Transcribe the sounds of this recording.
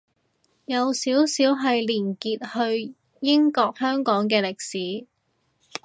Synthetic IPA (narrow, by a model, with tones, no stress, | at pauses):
jɐ˨˧wsiː˨˥wsiː˨˥wɦɐ˨jliː˨˩nkiː˨t̚hɵ˧ɥ | jɪ˥ŋkɔː˧k̚hœː˥ŋkɔː˨˥ŋk̬ɛː˧lɪ˨k̚siː˨˥